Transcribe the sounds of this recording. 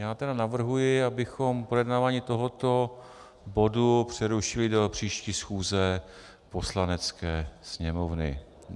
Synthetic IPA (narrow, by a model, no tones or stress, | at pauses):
jaːt̪ɛdanavr̩ɦujɪabɪxo̞mpɾojɛdnaːvaːɲiːt̪o̞ɦo̞t̪o̞ | bo̞dupr̝̥ɛɾuʃɪlɪdo̞pr̝̥iːʃciːsxuːzɛ | po̞slanɛt͡skɛːsɲɛmovnɪ̰